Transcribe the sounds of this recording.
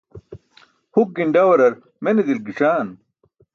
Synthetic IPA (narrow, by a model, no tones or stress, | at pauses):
huk̚ɡiɳɖɐwɐɾɐɾ | menid̪ilɡiʂaːn